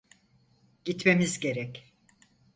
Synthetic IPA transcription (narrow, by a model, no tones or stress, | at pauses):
ɟ̥it̪me̞mizɟe̞ɾɛc